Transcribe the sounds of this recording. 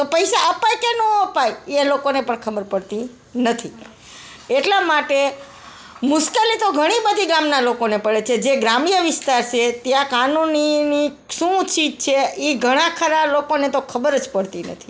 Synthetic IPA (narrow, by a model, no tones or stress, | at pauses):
t̪opəjsaəpajkenũəpajelokonepəɳkʰəbəɾpəɽt̪i | nət̪ʰi | eʈlamaʈe | mʊʃkelit̪oɡʱəɽ̃ibəd̪ʱiɡɾamnalokonepəɭet͡ʃʰed͡ʒeɡɾamɳijəʋɪst̪aɾt͡ʃʰet̪jãkanunini | ʃũt͡ʃʰit͡ʃʰeiɡʱəɽ̃ãkʰəɾalokonet̪okʰəbəɾəd͡ʒpəɽt̪inə̰t̪ʰi̥